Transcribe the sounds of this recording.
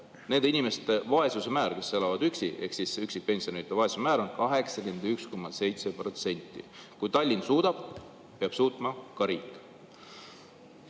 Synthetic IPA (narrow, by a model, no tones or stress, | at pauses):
ne̞nd̪̥inimest̪evɑe̞suse̞mæːɾke̞sːe̞lɑvɑd̪̥yksiʔe̞̰hksisyksipe̞nsʲioneit̪ːˑevɑe̞susemæːɾo̞nkɑɦe̞ksɑkymend̪yksko̞mːɑse̞jt̪se̞pro̞t̪se̞nʲt̪ˑːḭkujt̪ɑlʲːinsuːd̪̥ɑb̥ | peɑb̥suːt̪ˑmɑkɑɾiːkːˑ